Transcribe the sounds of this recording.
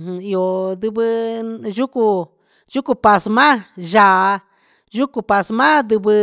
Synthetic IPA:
i˧o˧ðɨ˧βɨ˧ʒu˦ku˧ | ʒu˦ku˧pa˧smã˦ʒa˨˧ | ʒu˦ku˧pa˧smã˦d̪ɨ˧βɨ˧

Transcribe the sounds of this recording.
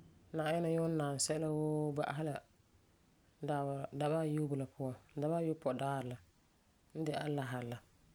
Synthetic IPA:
naː˨jɛ˦na˨jo˦n̩˦nːaː˨n˨sɛ˦la˦woː˦ba̰˦ʔa̰˨ɦa˦la˨ | da˨ba˦˨jo˦bʊ˨la˨pʰʊ˦ɔ˨˦da˨ba˦jo˦pɔ˨daː˦˨ɾla˨ | n̩˦dɪ˨ʔa˦la˦ɦa˨la˨

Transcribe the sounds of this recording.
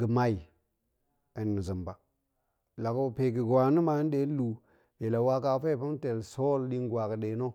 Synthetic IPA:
ɡə˨ma˦i˨ | ə˨nː˨i˨zə˨mba˨ | la˨ko˦˨pe˨ɡi˨ɡwa˨ni˦ma˨˦n˦de˦n˦lu˨ | e˨la˨wa˦ka˨˦fe˦˨pa˦m˦te˨lso˦ldi˦ŋɡwa˨kə˨ɗe˨no˦

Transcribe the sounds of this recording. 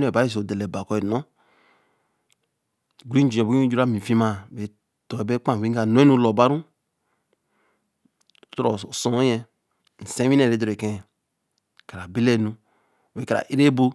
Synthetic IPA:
n˦e˨ba˨˦i˦so˨de˨le˨ba˨ko˦e˨no˦ | ɡɾĩ˦n˦d͡ʒi˨e˨bo˦d͡ʒu˦ɾa˦˨mĩ˨fi˦ma˦˨be˨ | to˨e˨be˦k͡pã˦˨i˦ŋ˦a˨no˦e˦nu˦lo˨ba˦ɾu˦ | to˨sõ˨˦je˦ | n̩˨sẽ˦i˦ne˦˨ɾe˨˦do˨ɾe˨kẽ˦˨ | ka˨ɾa˨be˦le˦˨nu˨ | e˨ka˨ɾa̰˨ʔi˦ɾe˦bo˦

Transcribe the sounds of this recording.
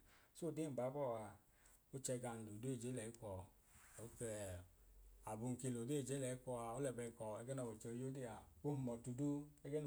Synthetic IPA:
so˦˨di˦˨ba˨˦bɔ˦˨wa˨ | o˦t͡ʃɛ˧ɡa˨n˨du˨do˦e˦˨d͡ʒe˨˦lɛ˨i˦kɔ˨ | o˦kɛ˧˨ | a˨bu˧˨ŋ̩˨ki˧lo˨de˦˨d͡ʒe˨˦lɛ˨i˦kʷɔ˧a˨o˦lɛ˨bɛ˧i˨kɔ˨ɛ˧ɡɛ˦nɔ˧˨o˨t͡ʃɛ˧jo˦de˦a˨o˦hu˨mɔ˨tu˧du˦ɛ˦ɡɛ˦n

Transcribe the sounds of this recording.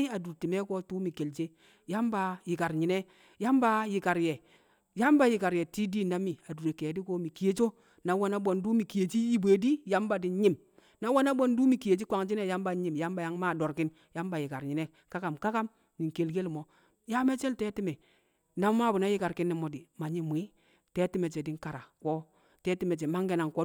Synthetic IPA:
i˦a˨du˨ɾti˨me˦ko˦tu˦mi˨ke˨lt͡ʃe˦ | ja˦mba˨ji˨ka˨ɾɲi˨ne˦ | ja˦mba˦ji˨ka˨ɾje˨ | ja˦mba˦ji˨ka˨ɾje˨ti˦di˦na˦mːi˨a˨du˨ɾe˨ke˨di˦ko˦mi˨ki˨je˦t͡ʃo˦ | na˨˦wa˦na˦bo˨ndu˦mi˨ki˨je˨t͡ʃi˦ji˦bʷe˨di˦ja˦mba˨di˨ɲi˦m | na˦wa˦na˦bo˦ndu˦mi˨ki˨je˨t͡ʃi˦kʷa˨ŋt͡ʃi˦ne˦˨ja˦mba˨˦ɲi˨mja˦mba˨ja˦ŋma˦˨do˨ɾki˦n | ja˦mba˨ji˨ka˨ɾɲi˨ne˦ | ka˦ka˨mka˦ka˦m | ni˨ŋke˨lɡe˦lmo˨ | ja˦me˦t͡ʃe˦lteː˦ti˦me˨ | na˦m˦ma˦˨bu˨na˦ji˦ka˨ɾki˦nːi˨mo˨di˨ma˨ɲi˦m˨i˦ | te˦ti˦me˨t͡ʃe˨di˦ŋ˦ka˨ɾa˨ko˦ | te˦ti˦me˨t͡ʃe˨ma˦ŋɡe˨na˨ŋko˦

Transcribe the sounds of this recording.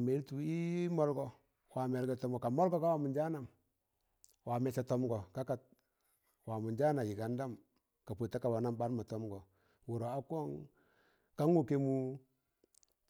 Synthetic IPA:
me˨˦ltu˨i˦mɔ˦lɡɔ˨ | wa˨mɛ˨ɾɡɛ˨tɔ˦mɡɔ˨ka˨mɔ˦lɡɔ˦ka˦wa˨mu˨nd͡ʒa˦na˨m | wa˨mɛ˨t͡ʃa˨tɔ˦mɡɔ˨ka˦ka˨t̚ | wa˨mu˨nd͡ʒa˦na˨ji˨ka˨nda˦m | ka˨po˨ta˦ka˨wa˨na˦mba˦nma˨tɔ˦mɡɔ˨ | wu˨ɾo˨a˦kɔ˦ŋ | ka˦ŋu˦ke˦mu˦

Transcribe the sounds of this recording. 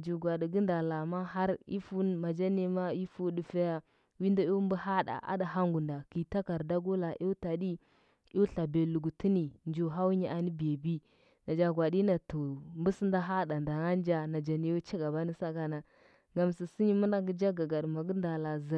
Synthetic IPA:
d͡ʒu˨ɡʷa˨di˨ɡə˦nda˨la˨ma˦ɦa˦ɾḭ˦fu˦nma˨d͡ʒa˦ni˦ma˦i˦fu˦du˨fa˦ja˦ | wi˦nda˦o˦mbə˦ha˦da̰˨ʔa̰˦da˨ɦa˦ŋɡu˨nda˨ki˨ta˦ka˨ɾda˦ɡu˦la˨ʔi˦ta˨di˦ | i˦ɬa˨be˨lu˨ɡu˨ti˦ni˨nd͡ʒu˨ɦa˦wɲi˦ʔa˨ni˦be˨bi˦ | na˨d͡ʒa˨ɡʷa˨di˦na˨to˨mbu˦si˦nda˦ɦa˦da˨nda˨ŋa˦n˦d͡ʒa˦na˨d͡ʒa˨ni˨˦jo˦t͡ʃa˦ɡa˨ba˦ni˦sa˦ɡa˦na˨ | ŋɡa˨msi˨si˦ɲi˦mu˦nda˦ɡə˦d͡ʒa˦ɡa˨ɡa˨dma˨ɡə˦nda˨la˨zə˨

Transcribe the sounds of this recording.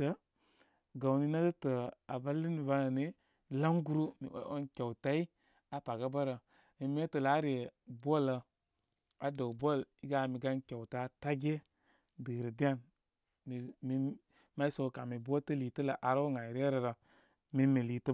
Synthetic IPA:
ə˦ | ɡa˨ni˦na˦ɡə˦tə˨a˨ba˦li˦mi˨ba˦nə˨ne˦ | la˦ŋɡu˦ɾu˦mḭ˨˦o˦nkʲa˨wta˦i˦ | a˨pa˨ɡa˦ba˦ɾə˨ | mi˨m˦e˦tə˨la˨˦ɾi˨e˨bʷo˦˨lə˧ | a˨do˨bʷo˦˨li˦ɡa˦˨mi˨ɡa˦nkʲa˨wta˦ta˦ɡe˦ | də˨ɾə˨di˦a˦˨n | mi˨mi˦ | ma˦i˦so˨˦ka˨mi˨bʷo˦tə˦liː˨tə˦la˨ʔa˨ɾo˦ŋa˨ɾe˦ɾə˨ɾa˨ | mi˦mi˨li˨tə˦

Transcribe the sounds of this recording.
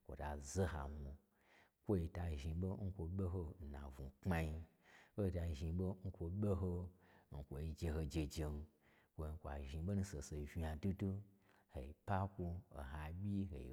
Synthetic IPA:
kʷo̰˨ta˨ze˦ha̰˨mu˧ | kʷo˦i˧ta˧ʒi˧ɓo˦ŋ̩˦kʷo˧ɓʲe˦ɦo˧˨na̰˨vu˨k͡pma˧ji˧ | kʷo˦i˧ta˧ʒi˧ɓo˦ŋ̩˦kʷo˧ɓʲe˦ɦo˧ŋ̩˨kʷo˨i˧d͡ʒe˧ɦo˧d͡ʒe˧d͡ʒe˧n˧ | kʷo˧˨˧kʷa̰˨ʒi˨˧˦ɓo˦nu˦˧se˨se˨ʒi˧ja˨du˦du˦ | hḛ˨i˨pa˦kʷu˧o̰˨ɦa˨bʲi˦ɦḛ˨ḭ˨

